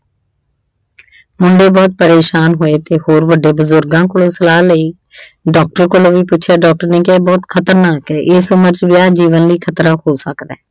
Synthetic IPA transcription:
mʊɳɖeːbɔːt̪̚pəɾeːʃaːnɦoːeːt̪eːhoːɾbəɖːeːbʊzʊɾɡãːkʊlõːsəlaːləiː | ɖɔːk̚ʈəɾkoloːʋiːpʊt͡ʃʃʰjaːɖɔːk̚ʈəɾneːkɛːbɔːt̪kʰət̪əɾnaːkɛːʔɪsʊməɾd͡ʒʋɪjaːd͡ʒiːʋənliːkʰət̪ɾaːhoːsəkd̪ɛː

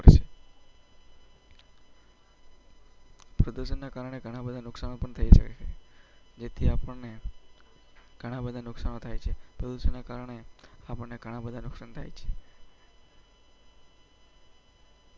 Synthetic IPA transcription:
ɾʃe | pɾəd̪usənːakaɾəɽ̃eɡʱəɽ̃abəd̪ʱanʊksañopəɳt̪ʰəiʃə̰ket͡ʃʰḛd͡ʒet̪ʰiapəɳne | ɡ̥ʱəɽ̃abəd̪ʱanʊksañot̪ʰajt͡ʃʰepɾəd̪usənːakaɾəɽ̃eapəɳneɡʱəɽ̃abəd̪ʱanʊksaɳt̪ʰa̰jt͡ʃʰe̥

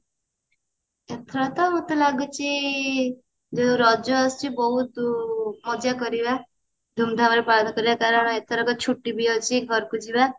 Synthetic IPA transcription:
et̪ʰɔɾɔt̪ɔmũt̪ɔlaɡut͡ʃʰi | d͡ʒoɾɔd͡ʒɔːst͡ʃʰibɔɦut̪mɔd͡ʒakɔɾiba | d̪ʱumd̪ʱamaɾepaɽnɔkɔɾibakaɾɔɽ̃et̪ʰɔɾɔkɔt͡ʃʰuʈːibiɔt͡ʃʰiɡʱɔɾkud͡ʒiba

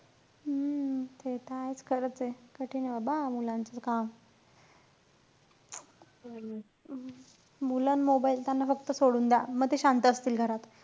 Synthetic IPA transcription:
t̪ʰet̪aajt͡skʰəɾət͡sekəʈʰiːnəbabamulãnt͡sakam | mulənmobailt̪janːafəkt̪əsoɽuːnd̪aməɡ̚t̪eɕant̪əəːst̪iːlɡʱəɾat̪

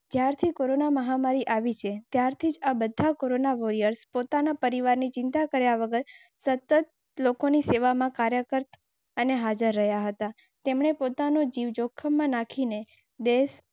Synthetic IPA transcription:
d͡ʒjaɾt̪ʰikoɾonaməɦamaɾiʔaʋit͡ʃʰet̪jaɾt̪ʰid͡ʒabəd̪ʱakoɾonaʋoɾijəɾspot̪anapəɾiʋaɾnit͡ʃɪ̃nt̪akəɾjaʋəɡəɾ | sət̪ːət̪̚ | lokoniseʋamãkaɾjəkəɾt̪ | əneɦad͡ʒəɾːəɦjaɦət̪a | t̪emɳ̃epot̪anod͡ʒiʋd͡ʒokʰːəmːãnakʰine | d̪es

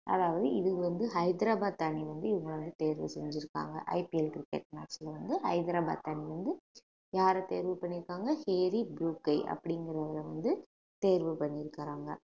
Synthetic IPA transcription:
ʔɐ̰ðaːʋɐðɯɪðɯɯʋɐnd̪ɯɦɐɪd̪ɾaːbaːt̪aɳiʋɐnd̪ɯɪʋɐŋɡɐɭʋɐnd̪ɯt̪eːɾʋɯsɛɲd͡ʒɪɾɯkːa̰ːŋɡɐ̰ʔɐ̰ɪpiɛlkɾɪkːḛːʈmaːksɪlɐʋɐnd̪ɯhɐɪd̪ɾaːba̰ːt̪ɐɳiʋɐnd̪ɯ | jaːɾɐt̪eːɾʋɯpɐɳːɪɾɯkːaːŋɡɐheːɾibɾuːkɐɪʔɐ̰pːɐɽɪŋɡɪɾɐʋɪlɐʋɐnd̪ɯ | t̪eːɾʋɯpɐɳːɪɾɯkːɐɾaːŋɡɐ̰

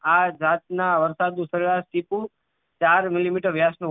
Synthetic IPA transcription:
ad͡ʒat̪̚naʋəɾsad̪ũsəɾiɾaʃʈipũ | t͡ʃaɾmɪlimiʈəɾʋjasnũ

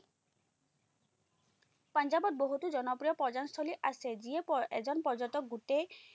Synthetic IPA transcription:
pand͡ʒabɔt̪̚boɦut̪ud͡ʒɔnɔpɾijɔpɔd͡ʒanst̪ʰoliʔased͡ʑiepɔḛd͡ʒɔnpɔɾd͡ʒɔt̪ɔk̚ɡuʈe

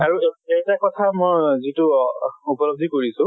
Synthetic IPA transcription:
aɹuejtakɔtʰamojzituupɔlob̚dʱikoɹisʊ̃

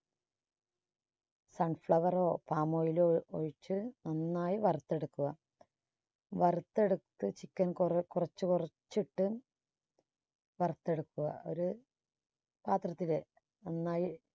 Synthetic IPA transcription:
sɐɳfɭɐʋɐro̞ːpaːmo̞ːjilo̰ɻit͡ɕːɨnɐnːaːjiʋɐrut̪ːe̞ɽukːuɣɐ | ʋɐrt̪ːe̞ɽut̪ːɨt͡ɕikʲːɐnkkurɐt͡ɕːɨkurɐt͡ɕːiʈːɨ | ʋɐrut̪ːe̞ɽukːuɣɐ̰o̞̰ɾu | paːt̪rɐt̪ːile | ɐnːaːji

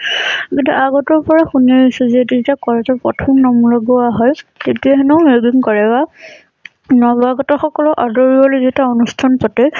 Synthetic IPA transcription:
kintuʔaɡɔtɔɹpɔɹaxuneisɔzɛtuetakɔɹɔtɔɹpɔ̰tʰɔmnɔmulɔɡɔaɦɔjtetiaɦɛnɔʊmebiŋkɔɹɛba | nɔbaɡɔtɔxɔkɔlɔʔadɔɹibɔlojzetaonustʰanpɔtɛ

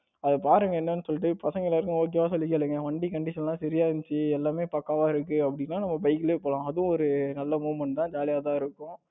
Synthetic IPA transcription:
ɐðɐpaːɾɯŋɡɐɛnːɐnːɯsɔlːʈ̬ːɯpɐsɐŋɡɐɪlaːɾɯkːʊ̃oːk̬ɪjmaːsɔlːɪkːeːlɯŋɡɐʋɐɳɖikɐɳɖɪsːɐlãːsɐɾɪjaːɪnt͡ʃːɯɛlːaːmeːpaːkːaːʋaːɪɾɯkːɯɐpːɐɽɪnːaːnɐmːɐbɐɪkːɪleːpoːlãːɐðʊ̃ɔɾɯnɐlːɐmuːʋmɐɳʈ̚t̪ãːd͡ʒaːlɪjaːt̪ãːɪɾɯkːʊ̃

